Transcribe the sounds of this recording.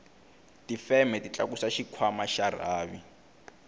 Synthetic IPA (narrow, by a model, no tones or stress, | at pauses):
tifɛmɛtit͡ɬʼa̰k̬usaʃikʰwamaʃar̤aːβi